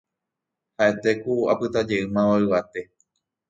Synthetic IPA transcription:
haʔe̞t̪e̞kua̰pɨt̪ad͡ʒe̞ʔɨmãwaɨʋat̪e̞

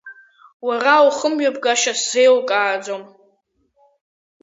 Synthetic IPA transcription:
warawχəmɥabɡaʃaszejwkʼaːd͡zom

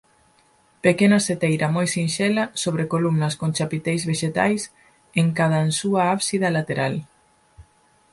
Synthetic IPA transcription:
pekenaset̪ejɾɐmojsinʃelɐsoβ̞ɾekolumnɐskont͡ʃapit̪ejzβeʃet̪a̰js | eŋkað̞aensuaaβsiðɐlat̪eɾal

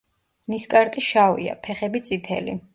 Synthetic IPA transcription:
niskʼaɾt̪ʼiʃavḭa̰pʰɛχɛbit̪sʼit̪ʰɛ̰lḭ

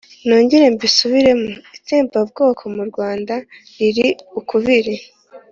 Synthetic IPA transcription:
noːɲɟiɾe̞mbisuβiɾe̞moiteːmpab̚ɡo̞ːkʰo̞muɾɡwaːnda | ɾiɾiukuβiɾi

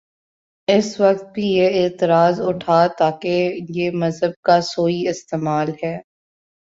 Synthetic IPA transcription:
ɪsʋɐq̚t̪̚bʱijeeːt̪ɪɾaːzʊʈʰaːt̪aːkejemɐzɦəb̚kasoːiɪst̪eːmaːlɦɛː

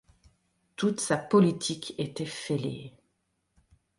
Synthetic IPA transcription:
t̪ut̪sapɔlit̪ʰiket̪ɛfelḛ

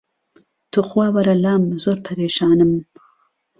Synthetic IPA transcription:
t̪ʰuxwawɐɾalaːmzoɾpʰaɾeːʃɑːnɨm

